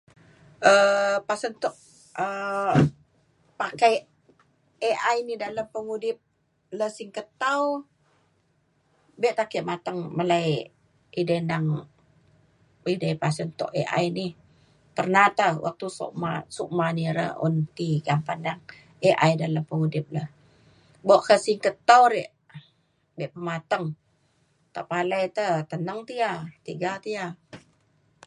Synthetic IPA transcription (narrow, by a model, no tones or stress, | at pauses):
ʔəpasənt̪ɔʔ | ə | pakaj | eʔajnidaləmpəŋudɪp̚ | ləsiŋkət̪aw | bɛʔt̪akiʔmat̪aŋməlaj | idənaŋ | idəjpasənt̪ɔ̰ʔḛʔa̰jni | t̪ərnat̪awʔa̰k̚t̪uso̰ʔma̰suʔmaniɾə̰ʔṵnt̪iɡampanːaŋ | eʔajdaləmpəŋudɪp̚ləh | boʔkəsiŋkət̪awɾɛʔ | bɛʔpəmat̪əŋ | t̪a̰ʔpalajt̪ət̪ənəŋt̪iat̪iɡat̪ia